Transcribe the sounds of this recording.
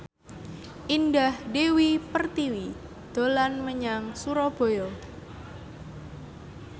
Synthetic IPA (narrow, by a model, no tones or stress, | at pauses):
ʔindahdewipərt̪iwi | d̪̥o̤lanməɲaŋsuɾɔb̥o̤jɔ